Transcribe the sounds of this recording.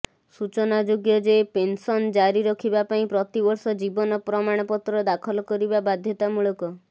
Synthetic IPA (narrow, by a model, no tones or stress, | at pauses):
sut͡ʃɔnad͡ʒoɡjɔd͡ʒepensɔnd͡ʒaɾiɾɔkʰibapaĩpɾɔt̪ibɔɾsɔd͡ʒibɔnɔpɾɔmaɽ̃ɔpɔt̪ɾɔd̪akʰɔlɔkɔɾibabad̪ʱjɔt̪amuɭɔkɔ